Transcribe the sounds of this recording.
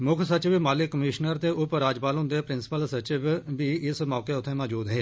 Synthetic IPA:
mʊkʰsət͡ʃɪʋmaːlɪkːəmɪːʃnəɾd̪eːʔʊpɾaːd͡ʒpaːlɦʊ̃nd̪eːpɾɪnsɪ̥pəlsət͡ʃɪʋbiːɪsmɔːkeːʊt̪ʰːẽːmaːd͡ʒuːd̪ɦeː

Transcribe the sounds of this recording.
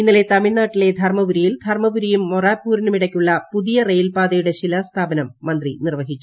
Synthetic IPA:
inːɐle̞t̪ɐmiɭnaːʈːile̞d̪ʱɐrmɐʋuɾijild̪ʱɐrmɐʋuɾijumːoraːpːuːɾinumiɽɐkʲːuɭːɐpuðijɐrejilpaːd̪ɐjuɽe̞ɕilɐst̪ʰaːbɐnɐmːɐnd̪rinirʋɐɦit͡ɕːu

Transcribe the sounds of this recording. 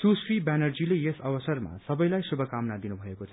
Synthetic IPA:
susribanʌrd͡zilejesʌbʌsʌrma̰sʌbʌjlajsubʱʌkamnad̪inubʱʌekot͡sʰʌ

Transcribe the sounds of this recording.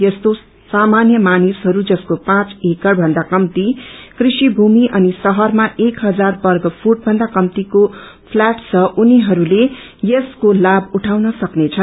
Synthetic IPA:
jʌst̪o | samanjʌmanisɦʌɾud͡zʌskopãt͡sekʌɽbʱʌnd̪akʌmt̪ikrisibʱumiʔʌnisʌɦʌrmaʔekɦʌd͡zarbʌrɡʌpʰuʈ̚bʱʌnd̪akʌmt̪iko | pʰlaʈt͡sʰʌʔuniɦʌɾule | jeskolabuʈʰawnʌsʌknet͡sʰʌ

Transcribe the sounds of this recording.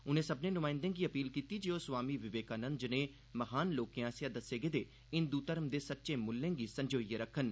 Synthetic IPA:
ʊnẽːsəbnẽːnʊmaːɪ̃nd̪ẽːɡiːəpiːlkiːt̪iːd͡ʒeːosʋaːmiːʋɪʋeːkaːnənd̪d͡ʒənẽː | məɦaːnloːkijãːsjãːd̪əsːeːɡeːd̪eː | ɪnd̪uːt̪əɾəmd̪eːsət̪ːʃeːmʊlːẽːɡiːsə̃ɲd͡ʒoːieɾəkʰːən

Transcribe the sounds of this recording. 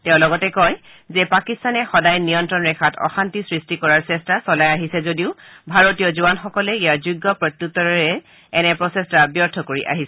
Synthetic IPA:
tɛʊ̃lɔɡɔtɛkɔj | zɛpakistanɛxɔdajnijɔntɹɔnɹɛkʰatɔ̰xantisɹistikɔɹaɹsɛstasɔlajaɦisɛzodiʊbʱaɹotijɔzuanxɔkɔlɛijaɹzuɡːɔpɹɔt̪jutːɔɹɹɛ | ɛnɛpɹɔsɛstabjɔɹtʰɔkoɹiʔa̰ɦisɛ

